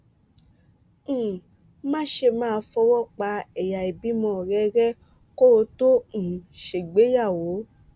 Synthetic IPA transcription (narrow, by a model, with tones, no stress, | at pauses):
mã˦ʃe˧mãː˦˨˧fɔ˧wɔ˦k͡pa˧ɛ˨ja˨i˨bi˨˦mɔ̃˧˨ɾɛ˦ɾɛ˦ | ko˦˧tõ˦˨ʃe˨ɡ͡be˨˦ja˦˨wo˨˦